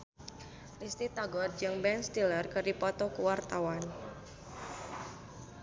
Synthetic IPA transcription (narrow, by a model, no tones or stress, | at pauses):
rist̪it̪aɡɔd̪̚d͡ʒɨŋbɛnst̪ilərkərdipɔt̪ɔkuwart̪awan